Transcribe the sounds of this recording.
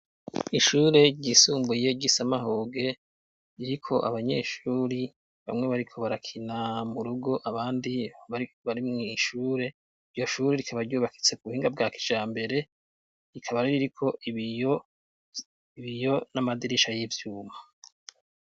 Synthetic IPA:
iʃuːɾe̞ɟisuːmbuje̞ɟisamaɦoːɡe̞ | ɾiɾikʰo̞ʔa̰βaɲe̞ʃuːɾi | βa̰mŋe̞βaɾikʰo̞βaɾakʰinamuɾuɡo̞ʔaβaːndiaiβaɾimŋiʃuːɾe̞ | iɾjo̞ʃuːɾeɾikʰaβaɾɟuːβaki̥t͡se̞kuβuhiːŋɡab̚ɡaːki̥d͡ʒaːmbe̞ɾe̞ | ɾikʰaβaɾiɾiɾikʰo̞ij | iβijo̞namadiɾiʃajivjuːma

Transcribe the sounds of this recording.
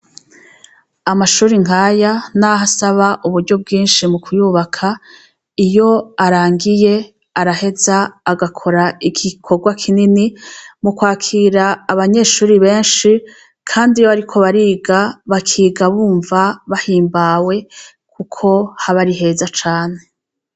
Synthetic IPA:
amaʃuːɾiŋ̥aːjanaɦasaβaʔuβuɾɟo̞b̚ɡiːnʃimukʰujuβakʰa | ijo̞aɾaːŋɡije̞ | aɾahe̞zaːɡakʰo̞ɾaiɡikʰo̞ɡwakʰininimukwaːkʰiːɾaːβaɲe̞ːʃuːɾiβe̞ːnʃi | kʰaːndijoaɾikʰo̞βaɾiːɡaβakʰiːɡaβuːɱvaβahiːmbawe̞ | kʰukʰo̞haβaɾiɦe̞ːzat͡ʃaːne̞

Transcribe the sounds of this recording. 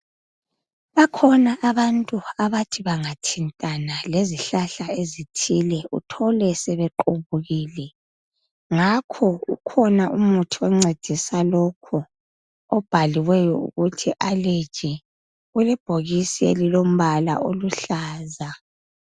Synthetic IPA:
βakʰɔnaʔːβantʼuaβatʰiβaŋatʰintʼanaleziɬaɬaezitʰilɛṵtʰɔlɛsɛβɛǃuβuɣiːlɛ | ŋakʰɔṵkʰɔnaʔumutʰiɛŋ͡ǀed̥ʱisalɔkʰɔ | ɔb̥ʱaliwɛjɔṵɣutʰiʔaled̥ʒ̥ʱɛ | ɣulɛb̥ʱoɣisḛlilom̩βala̰ʔoluɬaːza

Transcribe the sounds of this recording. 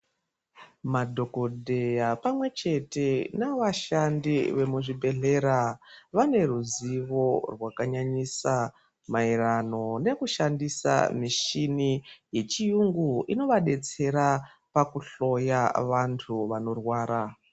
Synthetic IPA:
madʱo̞ko̞ɗʱe̞japamwe̞t͡ʃe̞te̞naʋaʃandiʋe̞muʐibʱe̞ɮe̞ɾaʋane̞ruziʋo̞rwakaɲaɲisa | mairano̞ne̞kuʃandisa̰miʃinije̞t͡ʃijuŋɡuino̞ʋaɗe̞t͡se̞ɾa | pakuɬo̞jaʋantʰuʋano̞rwaːɾa

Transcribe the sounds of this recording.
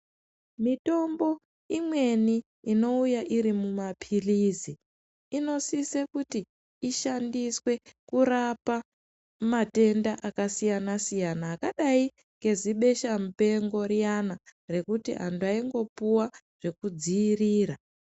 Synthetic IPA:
mito̞mbo̞ | imwe̞niː | no̞ujaʔiɾimumapʰiliziː | no̞sise̞kutiː | ʃandiswe̞kuɾapa | mate̞ndaʔakasijanasijanaːkaɗai | ŋɡe̞ziɓe̞ʃamupe̞ŋɡo̞ɾijanare̞kutiɦa̰nduaiŋɡo̞puwa | ʐ̥e̞kud͡ziːriːra

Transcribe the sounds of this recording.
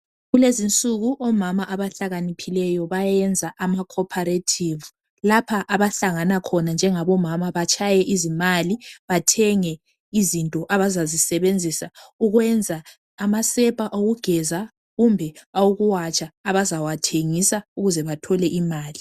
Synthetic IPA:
ɣulezint͡sʼuɣuʔɔmamaʔaβaɬaɣanipʰilɛjɔβajɛnd͡zʱaʔamakʰɔpʰaɾetʰiːvu | lapʰaʔaβaɬaŋanakʰɔnand͡ʒʱɛŋaβɔmamaβat͡ʃʼʰajɛʔizimaliβatʰɛŋɛ | izintʼɔʔaβazazisɛβend͡zʱisauɣwɛnd͡zʱaː | masɛpʼaʔoɣuɡ̥ʱɛza | ɣumbʱɛauɣuwat͡ʃʼaːβazawatʰeŋisauɣuzɛβatʰɔlɛʔimaːli

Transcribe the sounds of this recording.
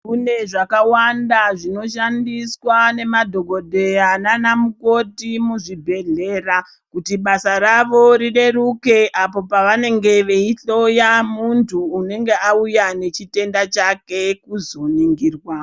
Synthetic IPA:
kune̞ʐakawandaʐino̞ʃandiswane̞madʱo̞ɡʱo̞dʱe̞jananamuko̞timuʐibʱe̞ɮe̞ːra | kutiɓasaɾaʋo̞ɾiɗe̞ɾuke̞ʔapo̞paʋane̞ŋɡe̞ʋe̞iɬo̞jamuntʰuːne̞ŋɡe̞aujane̞t͡ʃite̞ndat͡ʃake̞kuzoniŋɡiːrwa

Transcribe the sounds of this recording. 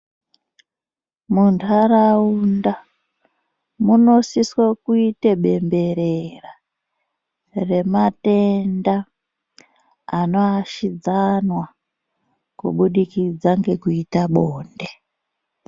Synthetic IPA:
muntʰaɾaunda | muno̞siswakuiteɓe̞mbe̞ɾera | re̞mate̞nda | no̞aʃid͡zanwa | kṵɓuɗikid͡zaŋɡe̞kuitaɓoːnde

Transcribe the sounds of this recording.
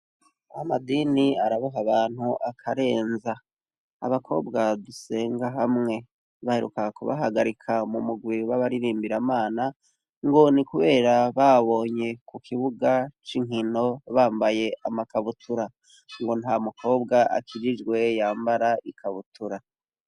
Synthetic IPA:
amadiniaɾaβaɦaβaːn̥huʔakʰaɾe̞ːnza̰ː | βakʰo̞̰ːbɡaduse̞ːŋɡaɦamŋe̞ | βaheɾṵkakṵβa̰ɦaɡaɾikʰamumuɡwiβaβaɾiɾiːmbiɾamaːna | ŋɡo̞nikuβe̞ːɾaβaβo̞ːɲe̞kukʰiβuɡat͡ʃiŋino̞βaːmbaje̞ʔamakaβutʰuɾa | ŋɡo̞nhamukʰo̞ːbɡaʔa̰kʰiɾid͡ʒɡwe̞jaːmbaɾaʔikʰaβutuɾa

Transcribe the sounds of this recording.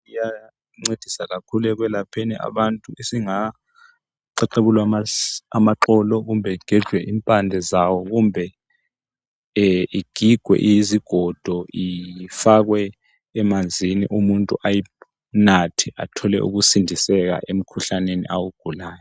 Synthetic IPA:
uja | ŋ͡ǀed̥ʱisaɣakʰulɛk̬wɛlapʰɛniʔa̰βantʼuʔesiŋa | ǀɛǃeβulwaamaǃɔlɔɣ̬umbʱɛɡ̥ʱɛd̥ʒ̥ʱwɛʔimpʼand͡ɮʱɛzawɔɣumbʱɛ | iɡ̥ʱiɡ̥ʱwɛ̰ʔijiziɡ̥ʱɔd̥ʱɔifak̬wɛː | mand͡zʱinḭʔumuntʼṵʔaji | natʰiʔa̰tʰɔlɛ̰ʔṵɣ̬usindʱisɛk̬a̰ʔem̩kʰuɬanenḭʔawuɡ̥ʱulaːjɔ

